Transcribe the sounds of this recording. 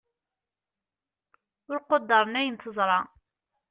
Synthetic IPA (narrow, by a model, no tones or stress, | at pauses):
ʊɾqod̪ːɑɾˤnæjənθəzˤɾˤɑ